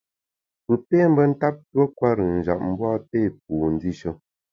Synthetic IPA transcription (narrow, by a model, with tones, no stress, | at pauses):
pɨ˨peː˦m˦bə˦n̩˦ta˦p̚twə˦kwa˦ɾə˨n̩˨d͡ʒa̰˨p̚m̩˦bwɔ˦te˦˨p̚u˨n̩˨˦di˦ʃə˦